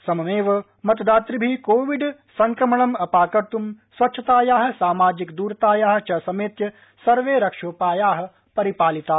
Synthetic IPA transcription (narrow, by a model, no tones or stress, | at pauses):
sɐmɐmeːʋɐ | mɐt̪ɐd̪aːt̪ɾibʱikoːʋiɖsɐŋkɾɐmɐɳɐmɐpaːkɐɾt̪umsʋɐtːt͡ʃʰɐt̪aːjaːɦɐ̆saːmaːd͡ʒikd̪uːɾt̪aːjaːɦɐ̆t͡ʃɐsɐmeːt̪jɐ | sɐɾʋeːɾɐkʂoːpaːjaːɦɐ̆ | pɐɾipaːlit̪aː